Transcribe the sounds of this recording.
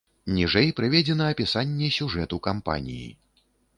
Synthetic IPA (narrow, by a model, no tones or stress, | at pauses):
nʲiʐɛjpɾɨvʲɛd͡zʲɛnɐːpʲisanʲːɛsʲuʐɛt̪ukampa̰nʲḭjḭ